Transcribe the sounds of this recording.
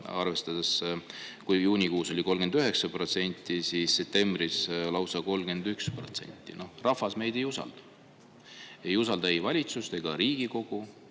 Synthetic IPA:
ɑrve̞st̪ɑd̪̥eskujjuːnʲikuːso̞lʲiko̞lɡ̥e̞nd̪yɦe̞ksɑpro̞t̪se̞nʲt̪ːˑisisːe̞p̚t̪e̞mbrislɑwsɑko̞lɡ̥e̞nd̪ykspro̞t̪se̞̰nʲt̪ːˑḭno̞hrɑfːɑsme̞jd̪̥e̞jusɑ̰ld̪̥ɑ̥ | e̞jusɑld̪ɑejvɑlʲit̪sust̪e̞ɡ̥ɑɾiːɡ̥iko̞ɡ̥u

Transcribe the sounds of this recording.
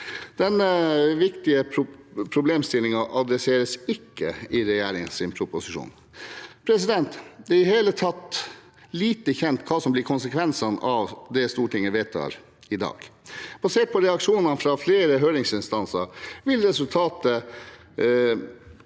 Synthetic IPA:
d̪̥ɛnːəʋɪkt̪ɪəʊpʰɾʊbleːmst̪ɪlːɪŋɑʔɑd̪ɾɛseːɾəsɪkːəɪɾɛjæːɾɪŋənsɪnpʰɾʊpʊsɪʂṵːn | pʰɾɛs̬ɪd̪ɛnt̪d̪ɛɾɪheːlət̪ʰɑt̪ː | liːt̪əçɛnt̪kʰɑːsɔmblɪɾkʰʊnsəkʰʋɛnsɑnɑʋd̪ɛst̪uːʈʰɪŋːəʋeːt̪ʰːɑ̰ːɾ | ɪd̪ɑ̰ːɡ̥b̥ɑseːʈ̚pʰɔɾɛɑkʂuːnənfɾɑːfleːɾəɦøːɾɪŋsɪnst̪ɑnsɑɾʋɪlɾɛsʉlt̪ʰɑːt̪ə

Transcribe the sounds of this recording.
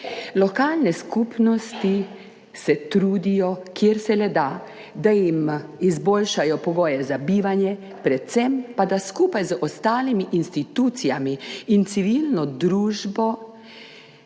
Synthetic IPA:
lɔkaːlnɛskuːpnɔst̪i | sɛt̪ɾuːd̪ijɔkjeɾsɛlɛd̪a | d̪ajimizboːlʃajɔpɔɡoːjɛzabiːʋanjɛ | pɾɛt̪sɛmpad̪askupajzəʔɔst̪aːlimiʔinst̪it̪uːt̪sijamiːnt̪siʋilnɔd̪ɾuːʒbɔ

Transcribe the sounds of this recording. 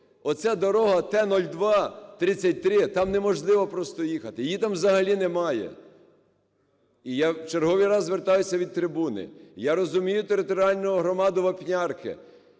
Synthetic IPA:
ɔt̪sɛd̪ɔɾɔɦɐt̪ɛnɔlʲd̪ʋɑt̪ɾɪt͡sʲːɐt̚ʲt̪ɾɪt̪ɑmnɛmɔʒlˠɪʋɔpɾɔst̪ɔjixɐt̪ɪjit̪ɑmʋzɐɦɐlʲinɛmɑjɛ̰ | ijat͡ʃeɾɦɔʋijɾɑzʋert̪ɑjʊsʲɐʋʲid̪̚t̪ɾɪbunɪ̰jaɾɔzʊmʲijʊt̪eɾɪt̪ɔɾʲiɑlʲnɔʊɦɾɔmɑd̪ʊʋɐpnʲɑrkɪ̰

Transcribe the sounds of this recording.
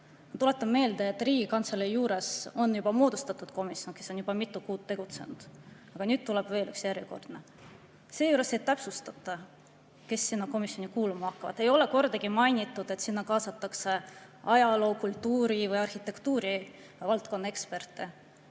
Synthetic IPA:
mɑt̪ulet̪ːˑɑmme̞ːld̪̥eet̪ːˑriːɡikɑnt̪selijuːɾe̞so̞njubɑmo̞ːd̪̥ust̪ɑt̪ːˑud̪̥ko̞misjo̞nke̞so̞njub̥ɑmit̪ːukuːt̪ːe̞ɡ̥ut̪se̞̰nud̪̥ | ɑɡ̥ɑnyːd̪̚t̪ːuleb̥ve̞ːly̰ksjæɾiko̞̰rd̪̥nɑ | se̞juːɾest̪ej̪t̪æpsust̪ɑt̪ˑːɑ | ke̞sːinːɑko̞misjo̞nikuːlumɑɑkːɑvɑ̰d̪̥e̞jo̞le̞ko̞rd̪̥ɑɡ̥imɑjnit̪ːˑud̪̥e̞t̪sinːɑkɑːsɑt̪ːˑɑkse̞ɑjɑlo̞ːkult̪ːˑuːɾivɯjɑrhit̪ːe̞kt̪uːɾi | vɑlt̪ko̞nːɑekspe̞rt̪ːˑe

